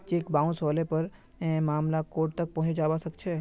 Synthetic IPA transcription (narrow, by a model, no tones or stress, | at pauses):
d͡ʒekbãũsɔlepəɾ̃ | mamlakoʈ̚t̪ək̚pɔ̃ɦd͡ʒaʋasəkt͡ʃʰe